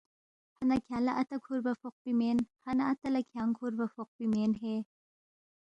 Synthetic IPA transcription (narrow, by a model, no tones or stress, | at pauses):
hɐnɐkʰjalɐʔɐt̪ɐkʰuɾbɐfoq̚pimenhɐnaʔɐt̪ɐlɐkʰjaŋkʰuɾbɐfoq̚pimenɦe